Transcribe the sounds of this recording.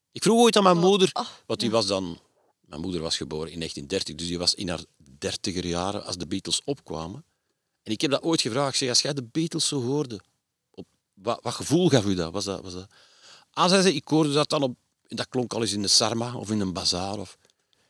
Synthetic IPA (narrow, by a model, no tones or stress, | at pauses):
ɪkfruːxoːjtaːnmɛjnmuːdərʋɑntyʋɑzdɑn | mɛ̰jnmuːdərʋɑsxəboːɾəɪnːeːxtindɛrtəɣdʏsjɛʋɑsɪ̰na̰ːr | dɛrtəɣərjaːɾə̰ɑ̰lzdəbiːtəlˠsɔpkwa̰ːmə | ɛnɪkhɛb̚daʔoːjtxəvraːxksɛɣɑsxɛjdəbiːtəlˠsːoːɦoːrdə | ʔɔp | ʋaʋɑxəvuːlˠɣɑfyda̰ʋɑzda̰ʋɑzda | ʔɑsɛzɛɪkhoːrdədɑt̚ɑnɔp̚ | ɛndɑklɔŋkɑlˠɪsɪndəsɑrmaɔ̰fɪnənbazaːɾɔf